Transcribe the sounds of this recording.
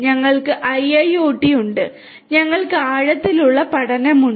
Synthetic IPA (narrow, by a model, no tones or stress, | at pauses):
ɲɐŋːɐɭkɨʔɐjɐjoːʈːijuɳɖɨ | ɲɐŋːɐɭkɨaːɻɐt̪ːiluɭːɐpɐɽɐnɐmuɳ